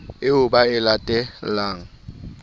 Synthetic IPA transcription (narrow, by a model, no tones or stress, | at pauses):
ɪʊbaɪlatʼɛlaːŋ̩